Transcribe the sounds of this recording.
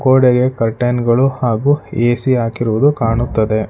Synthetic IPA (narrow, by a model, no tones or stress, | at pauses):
koːɽeɡe̞kɐɾʈɐjnɡɐɭuhaːɡuːeːsiaːkiɾuʋud̪ukaːɳut̪ːɐd̪e̞